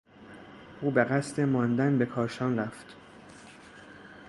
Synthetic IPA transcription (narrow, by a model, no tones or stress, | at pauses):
ʔuːbeɣæst̪emɒːnd̪ænbe̞kʰɒːɾʃɒːnræft̪